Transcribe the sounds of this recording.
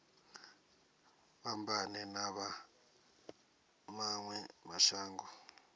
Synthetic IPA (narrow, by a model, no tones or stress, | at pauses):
βambʱanɛnaβa | maŋwɛmaʃaːŋɡɔ